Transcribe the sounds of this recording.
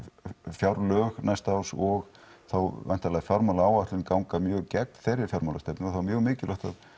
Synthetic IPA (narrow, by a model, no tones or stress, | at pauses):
fjawɾlœːɣnajst̪aawsɔɣ | θawvɛ̰n̥t̪alaɣfjaɾmalaawaht̪lɪnkawŋkamjœːɣcɛk̚nθejɾːɪɾ̥fjawɾmaːlast̪ɛpnɪɔθawmjœːɣmɪːcɪlœht̪að